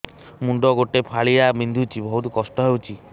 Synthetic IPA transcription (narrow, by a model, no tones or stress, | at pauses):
muɳɖɔɡoʈepʰaɭijabind̪ʱut͡ʃʰibʱɔɦut̪ikɔsʈɔɦewt͡ʃʰi